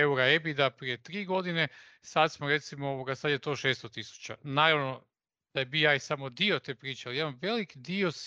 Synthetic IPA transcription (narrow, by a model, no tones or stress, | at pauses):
euɾaebid̪apɾije̞t̪ɾiːɡo̞d̪ine̞ | sad̪smoɾe̞t̪simooʋoɡasad̪jet̪o̞ːʃeːst̪ot̪isu̥t͡ɕanaːɾaʋno̞ | d̪̥ajebijaːjsamod̪io̞t̪eːpɾiːt͡ʃaliimamʋe̞likd̪io̞s